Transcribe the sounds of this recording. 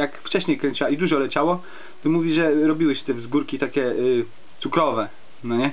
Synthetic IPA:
jakft͡ʂɛɕɲejkɾɛɲʲt͡ɕaid̪uʐɔlɛt͡ɕawɔ | t̪ɔmuvʲiʐɛɾɔbʲiwɘɕɛ̥t̪ɛvzɡuɾkʲit̪akʲɛ | t̪sukɾɔvɛ | nɔɲɛ

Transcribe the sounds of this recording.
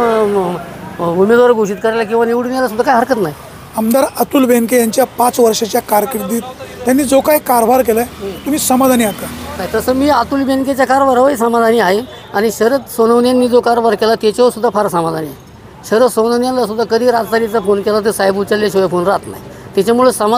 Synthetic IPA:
umed̪ʋaɾɡʱoɕiːt̪̚kəɾajlak̬ĩʋaneʋɽunjalas̬ud̪ʱːakajɦəɾkət̪naɦj | əmd̪aɾat̪uːlbenkejaɲt͡ɕjapat͡sʋəɾʂat͡ɕjakaɾkiʈd̪iːt̪t̪ːjanːiːd͡zokajkaɾbʱaɾk̬elãt̪um̤iːsəmad̪ʱaniɦat̪anajt̪əsəmiːat̪uːlbenket͡ɕjakaɾbʱaɾɦəʋis̬əmad̪ʱaniːaɦe | aɽ̃iɕəɾət̪sonəʋnjanːiːd͡zokaɾbʱaɾkelat̪jat͡ɕaʋəɾsud̪ʱːafaɾasəmad̪ʱaniːaɦe | ɕəɾəsonənjanlasud̪ʱːakəd̪ʱiːɾad͡zt̪aɾit͡safonkelat̪əsajbut͡ɕalːeɕojafonɾat̪na̰ɦjt̪jat͡ɕjamuɭesəma

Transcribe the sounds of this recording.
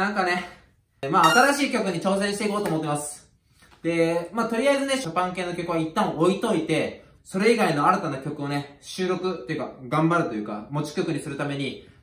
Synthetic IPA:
nãŋkane̞ | maːt̪aɾaɕiːkʲo̞kɯ̟ɲ̟it͡ɕo̞ːs̬ẽɕit̪eiko̞ːt̪oːmot̪ːemasɨ̥ | d̪̥e̞maːt̪o̞ɾʲiaezɨne̞ɕopãŋke̞ːnokʲo̞kɯ̟βait̪ːãoit̪o̞it̪e̞ | so̞ɾe̞iɡaino̞aɾat̪anakʲo̞kɯ̟o̞ne̞ɕɨːɾo̞kɯ̟t̪ːo̞jɯ̟ka̰ɡãmbaɾɯ̟t̪o̞jɯ̟ːka̰mo̞t͡ɕi̥kʲo̞kɯ̟ɲ̟isɨɾɯ̟t̪ame̞ɲ̟i

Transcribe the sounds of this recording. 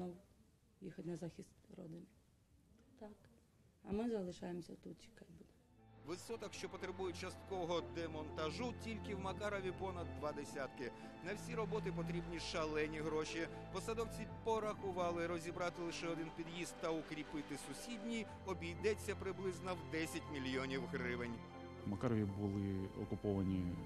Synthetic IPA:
nɔw | jixɐt̪ʲnɐzɑxʲist̪rɔ̰d̪ɪnʲ | t̪ɑk | ɐmɪzɐlˠɪʃɑjemsʲɐ̰t̪ut̪t͡ʃi̥kajbud̪ɛ | ʋɪsɔt̪ɐkʃt͡ʃɔpɔt̪ɾebujʊt͡ʃɐst̪kɔɔɦɔd̪emɔnt̪ɐʒutʲilʲkɪwmɐkɑɾɔʋʲipɔnɐd̪ːʋɑd̪esʲat̪kɪ | nɐwsʲiɾɔbɔt̪ɪpɔt̪ɾʲibnʲiʃɐlˠɛnʲiɦɾɔʃi | pɔsɐd̪ɔwt͡sʲipɔɾɐxʊʋɑlˠɪɾɔzʲibɾɑt̪ɪlˠɪʃɛɔd̪ɪnpʲid̪jizt̪ːɐʊkɾʲipɪt̪ɪsʊsʲidʲnʲij | ɔbʲijd̪ɛt͡sʲːɐpɾɪblˠɪznɔwd̪ɛsʲɐtʲmʲilʲjɔnʲiwɦɾɪʋenʲ | mɐkɑɾɔʋʲibʊlˠɪɔ̰kʊpɔʋɐnʲi

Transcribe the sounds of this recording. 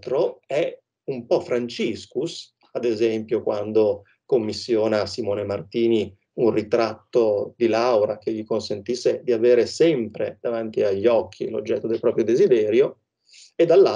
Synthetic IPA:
t̪ɾoɛ | umpɔfɾant͡ʃiskus | ad̪ezɛmpjokwʔand̪o | komːisːjɔːnasimoːnemart̪iːni | unrit̪ɾat̪ːod̪ilawɾak̟eʎːikonsent̪isːed̪iaveːɾesɛmpɾed̪̥avant̪iaʎːɔkʰːḭlo̰d͡ʒːɛt̪ːod̪elpɾɔːpɾjod̪ezid̪ɛːɾjo | ed̪ːalːa

